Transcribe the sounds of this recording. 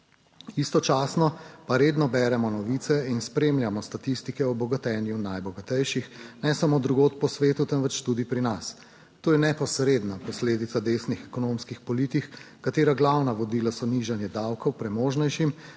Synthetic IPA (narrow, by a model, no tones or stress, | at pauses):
ist̪ɔt͡ʃaːsnɔpaɾeːd̪nɔbɛɾɛmɔnɔʋiːt̪sɛinspɾemljamɔst̪at̪ist̪ikɛɔbɔɡat̪ɛːnjunajbɔɡat̪ɛjʃixnɛsamoːd̪ɾuɡoːt̪pɔsʋeːt̪ut̪ɛnʋɛt͡ʃt̪ud̪ipɾinas | t̪oːjɛnɛpɔsɾed̪napɔsleːd̪it̪sad̪esnixɛkɔnomskixpɔlit̪ix | kat̪eːɾaɡlawnaʋɔd̪ilasɔniʒanjɛd̪awkɔwpɾɛmoːʒnɛjʃim